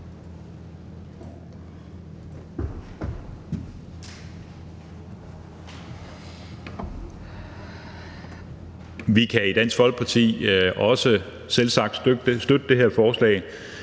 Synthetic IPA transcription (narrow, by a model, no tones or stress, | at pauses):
ʋikʰæid̥æn̰sɡ̥ʋɒ̽l̰ɡ̥̚pʰɑ̈t͡sʰḭːʔɒ̽sə | selsɑ̈ɡ̥̚d̥sd̥ød̥əd̥e̝ɦeɐ̰fɒːslɛ̰ːɪ